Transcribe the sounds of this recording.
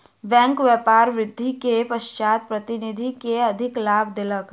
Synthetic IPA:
bɛ̃ːŋkʋjɛːpaːɾʋɾɪd̪ʱːikepəʃt͡ʃaːt̪̚pɾət̪ɪnɪd̪ʱikeɐd̪ʱɪklaːbd̪ɪlək

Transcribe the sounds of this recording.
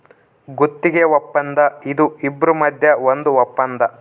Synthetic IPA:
ɡut̪ːiɡeʋɔpːɐnd̪ɐid̪uibːɾumɐd̪ʱjɐond̪uʋɔpːɐnd̪ɐ

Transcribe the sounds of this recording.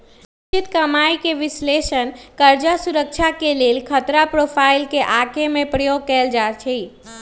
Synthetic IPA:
ɪt͡ʃɪt̪kəmaːikeʋɪsleːʃənkəɾd͡ʒasuɾəkt͡ʃʰakeleːlkʰət̪ɾapɾopʰaːɪlkeʔakemẽpɾəjoɡ̚kɛːld͡ʒat͡ʃʰi

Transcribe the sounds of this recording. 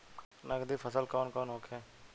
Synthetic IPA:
nəkd̪iːfʰəsəlkɔːnkɔːnoːkʰẽː

